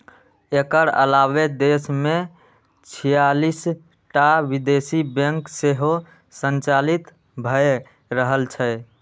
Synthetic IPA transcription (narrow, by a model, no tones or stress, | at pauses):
ekəɾə̰laβed̪esme | t͡ʃʰijalis | ʈabid̪esibəŋkseɦo | sənt͡ʃalit̪ | bʱəe | ɾəɦəlt͡ʃʰə